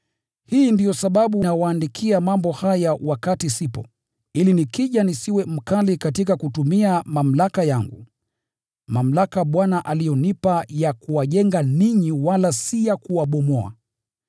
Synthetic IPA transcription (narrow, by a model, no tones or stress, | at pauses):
hiːndijɔsaɓaɓunawaːndikʰiamambɔhajawakatisipɔ̰ | ilinikiʄanisiwɛm̩kalikatikakutumiamam̩lakajaŋɡṵ | mam̩lakaɓwanaʔalijɔnipajakuwaʄɛŋɡaniɲiwalasijakuwaɓɔmɔa̰